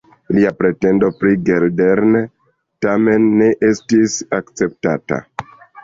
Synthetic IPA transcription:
liapɾe̞te̞ndo̞pɾiɡeɾdeɾne | tame̞nːe̞ʔe̞stisakt͡se̞p̚tata̰

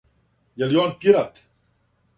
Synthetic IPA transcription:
jaljonpiɾat̪

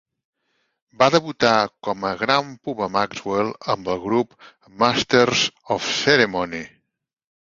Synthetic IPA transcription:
baðəβut̪akɔməɣɾampuβəmakzwelˠəmbəlˠɣɾup | mast̪eɾzɔfseɾemɔni

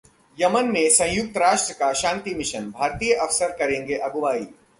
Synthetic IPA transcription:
jɐmənmẽsɐ̃jʊk̚t̪əɾaːʃʈɾəkaʃãːnt̪imɪʃənbʱaːɾt̪iːjəʔɐʋsəɾkɐɾẽːŋɡeʔɐɡʊʋaːiː

